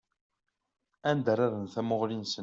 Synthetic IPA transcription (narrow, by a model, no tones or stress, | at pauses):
ænd̪əɾˤaɾənθæmʊʁlinsə